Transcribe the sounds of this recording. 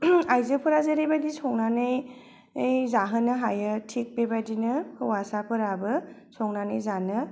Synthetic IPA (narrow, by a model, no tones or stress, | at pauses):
ajzɯpʰɯɾazeɾejbadisɔŋnanɯj | jzaɦɯnɯɦajɯtʰik̚bebadinɯhɯwasapʰɯɾabɯsɔŋnanɯjzanɯ